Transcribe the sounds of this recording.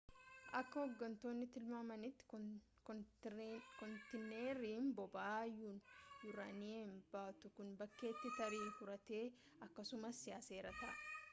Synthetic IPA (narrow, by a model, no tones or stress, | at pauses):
ʔɐkːɐhɔɡːɐnt̪o̞ːnːɪt̪ɪlmamɐnɪt̪ːɪ̥ | kɔnt̪ɪnːeːɾiːmbɔbaːjuːnjʊɾɐ̰neːmbaːt̪ʊkʊnbɐkːe̞ːt̪ːɪt̪ɐɾiːfʊɾɐt̪e̞ː | ɐkːɐsʊmɐsːɪjaːse̞ːɾɐt̪ɐ̰